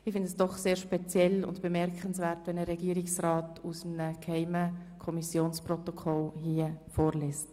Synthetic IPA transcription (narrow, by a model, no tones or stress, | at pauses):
ɪfɪndəsd̥ɔχseːɾʃpɛt͡sjɛlʊ̰ndb̥əmɛɾkənsvɛːɾtʋɛnəɾɛɡ̥iːəɾɪksrɑːtusm̩nəkhæɪməkʰɔmisjoːnsprɔtokʰɔlhiəfoːɾlɛːst